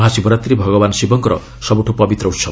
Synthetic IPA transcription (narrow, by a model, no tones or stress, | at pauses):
ɦasibɔɾat̪ɾibʱʌɡɔbansibɔŋkɔɾʌ̰ | sʌbuʈʰopʌbit̪rʌusʰʌ